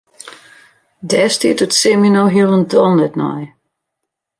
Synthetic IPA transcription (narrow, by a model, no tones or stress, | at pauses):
dɛstiətətsɪminoɦiəlˠəndɔndɛtnɔ̰j